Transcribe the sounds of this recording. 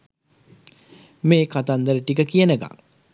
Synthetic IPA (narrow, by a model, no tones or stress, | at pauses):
meːkat̪and̪əɾəʈik̬əkijənəɡa̰ŋ